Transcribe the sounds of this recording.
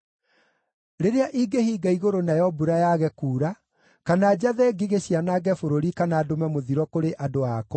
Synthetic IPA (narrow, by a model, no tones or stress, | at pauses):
ɾeɾeaʔiɡehiːɡaiɣoɾonajɔbuɾajaɣɛkuːɾa | kanaːd͡ʑaðɛɡiɣeɕianaːɡɛfoɾoɾikanaːdomɛmoðiɾwɔkoɾeʔadoak